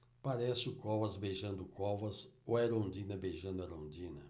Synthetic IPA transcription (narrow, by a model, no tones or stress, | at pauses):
paɾɛsɪʊkɔvɐzbejʒɐ̃nd̪ʊkɔvɐsoɛɾõnd͡ʒĩnɐbejʒɐ̃nd̪ʊɐɾõnd͡ʒĩnɐ